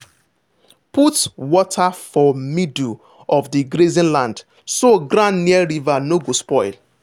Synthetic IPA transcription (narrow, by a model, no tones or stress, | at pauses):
putwɔtʰafɔmidu | ɔvdiɡɾezĩnlãnd | soɡɾãnniɛɾivanoɡospɔɪl